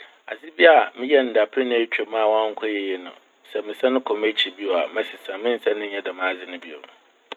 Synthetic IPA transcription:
a̰˨sɪ˦bi˦a˨mɪ̃˦jɛ˦n̩˨da˨pʰɾɪ˦nʊ̃˦ɛ˦t͡ɕᶣɛ˦mãː˦˨wã˦ŋ̩˦kʰɔ˦jɛ˨jɛ˦nʊ̰̃˨ | sɛ˨mɪ̃˨sã˦nʊ̃˦kʰɔ˨me˦t͡ɕʰi˨bi˦o˨a˨mã˨sɪ˨sã˨mɪ̃˦n̩˨sa˦nʊ̃˦ɲɛ˦da˨mã˨˦˨zɪ˦nʊ̃˦bi˦o̰˨

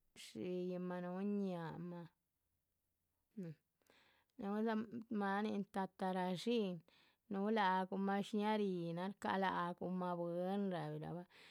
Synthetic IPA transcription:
ʂi˧ji˧ma˧nu˦ɲa˨ma˧˨ | nu˨˦za˧ma˧ni˧nt̪a˧t̪a˧ɾa˧ʂi˦n | nu˦la˧˨ɡu˧ma˧ʃɲa˦ɾi˧na˧ɾka̰˧la˧ʔɡu˧ma˧be˧˦nɾa˨bi˨la̰˨ba˦

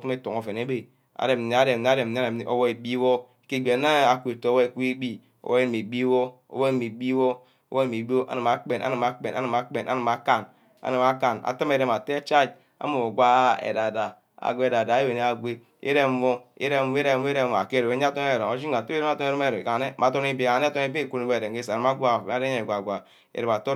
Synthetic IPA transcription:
o˦u˦me˦tu˨ŋo˨fe˨ne˦be˨ | a̰˨de˨m̩˨ne˨˦a˦de˨ne˦a˦de˨m˨ne˦ɾe˨˦o̰˦wo˦e˨bi˦wo˦˨ | ki˦ɡ͡be˨na˦a˨kʷe˨to˨˦wo˦e˦˨kʷi˦e˦ɡ͡bi˦ | o̰˦wo˦e˦ni˨me˨bi˦wo˦ | o̰˦wo˦e˦˨˦mi˨ɡ͡bi˦wo˦ | o˦o˦˨mi˨bi˦o˦ʔa̰˦nɨ˨ma˨k͡pe˨nʔa̰˦nɨ˨ma˨k͡pe˨nʔa̰˦nɨ˨ma˨k͡pe˨nʔa̰˦nɨ˨ma˨ka˦n | a̰˦nɨ˨ma˦ka˨na̰˨tɨ˦me˦ɾe˦m˨a˨te˦t͡ʃa˦˨d͡ʒ | a̰˦mo˨o˨ɡʷa˦ḛ˨da˨da˨ | a̰˨ɡʷe˦e˨da˨da˨˦e˦we˨ne˦a˨ɡʷe˦ | ḭ˦ɾe˦wo˦ḭ˦ɾe˦m˦e˦ɾe˦˨˦e˦ɾe˦˨a̰˨ke˦ɾo˨e˦a˦to˦ne˦˨ɾo˨o˨˦d͡ʒi˦a˨to˦ɾma˦˨to˦e˦ɾe˦me˦˨ɾo˨a˨ne˦ma˨to˦ni˦bi˨a˨n˦to˦n˦i˦bi˦i˦˨ku˦n˨˦be˦˨e˨ŋ˨e˦sa˨a˨m˦a˦ɡʷa˦˨a˨˦de˦e˨ɡʷa˨ɡʷa˨ | ḛ˨ɾe˨m˨a˨to˦

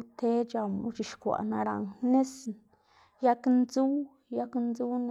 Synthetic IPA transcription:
t̪ʰe˦d͡ʒa˨mu˧t͡ʃi˨ʃkʷa̰˨na˧ɾa̰˨ŋne˦sn | ja˦knzu˦ | ja˦knzu˦n˦

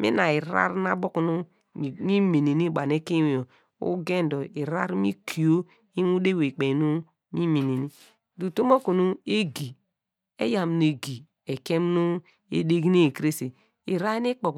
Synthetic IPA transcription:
mḭ˦na˨i˨ɾa̰˦ɾna˦bo˦knu˦˨ | mi˦me˨ni˨ni˦˨ba˨ne˦ke˦wo˨ | ṵ˦ɡe˦n˨do˨i˨ɾa˦ɾmi˦kʰi˨o˦ | i˦nu˦de˦we˨k͡pe˨nu˦ | mi˦me˨ni˨ni˦ | du˨to˦mo˦ku˨nu˦e˦ɡi˨ | ḛ˦ja˨m˨n˨e˨ɡi˨ | e˨ke˦m˦nu˦ | ḛ˨de˦ɡi˦ni˦e˨kɾe˦se˨ | i˨ɾa˦i˦ni˦k͡po˨k

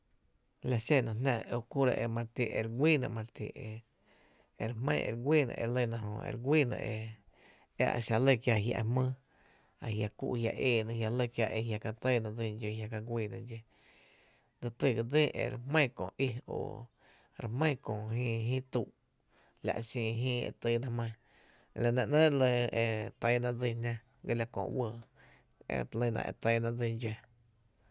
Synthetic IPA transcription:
la˧ʃe˧˨nã˧nã˧o˧ku˦ɾa̰˧ʔe˧mã˧ɾt̪i˧ʔe˧˨ɾɡʷiː˦nã̰˧ʔmã˧ɾt̪ḭ˧˨e˧ | e˧˨ɾmə̰̃˦˧ʔḛ˧ɾɡʷiː˦nã̰˧˨ʔe˧lə˦˧˨nã˧hõ̰˧ḛ˧ɾɡʷiː˦nã̰˧ʔe˧ | a̰˦ʔa̰˨ʃa˧lə˦˨kja˧˨ɦja̰˧ʔmə̃ː˦ | a˨hja˧kṵ˧ʔhja̰˧˨ʔeː˧˨nã˧hja˧lə˦˧kja˧ʔe˧hja˧ka˧t̪ə˦˨nã˧d͡zĩ˧d͡ʒe˧hja˧ka˧ɡʷiː˧˨nã˧d͡ʒe˧ | d̪ə˧t̪ɨ˧˨ɡə˧d͡zi˦ʔḛ˧˨ɾmə̃˦˨kõ̰˨ʔi˧o̰˧˨ | ɾe˧mə̃˦˨˧kõ˨ɦĩː˦˧ɦĩ˦t̪u˧˨ʔ | la̰˧˨ʔʃĩː˧ɦĩː˦ḛ˧t̪ɨ˧nã˧mə̃˧˨˧ | la˧˨nã˧ʔnə̃ː˦lə˧e˧t̪ə˧˦nã˧d͡zi˧nʲã˧ | ɡe˧la˧kõ̰˧˨wə˧˨ | ḛ˧˨lə˧nã̰˧ʔḛ˧t̪ə˧nã˧d͡zi˧nd͡ʒe˧

